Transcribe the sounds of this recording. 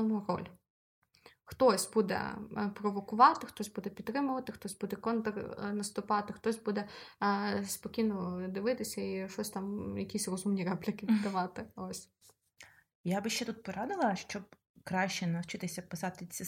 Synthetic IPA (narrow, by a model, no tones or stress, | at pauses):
nurɔ̰lʲ | xt̪ɔsʲbud̪ɛ̰pɾɔʋɔkʊʋɑt̪ɪxt̪ɔsʲbud̪ɛpʲit̪t̪ːɾɪmʊʋɐt̪ɪxt̪ɔsʲbud̪ɛkɔnt̪ɐrnɐst̪ʊpɑt̪ɪxt̪ɔsʲbud̪ɛ | spɔkʲijnɔd̪ɪʋɪt̪ɪsʲɐiʃɔsʲt̪ɑmjɐkʲisʲrɔzumnʲirɛplʲɪkɪʋʲɪd̪d̪ɐʋɑt̪ɪɔsʲ | jabɪʃt͡ʃɛt̪ut̪̚pɔɾɑd̪ɪlˠɐʃt͡ʃɔb̚ | kɾɑʃʲt͡ʃɛnɐwt͡ʃɪt̪ɪsʲɐpɪsɑt̪ɪt͡sʲi